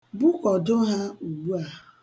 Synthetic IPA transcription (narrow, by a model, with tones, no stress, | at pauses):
bu˦kɔ˨dʊ˦ɦa˦u˨ɡ͡bu˦a˨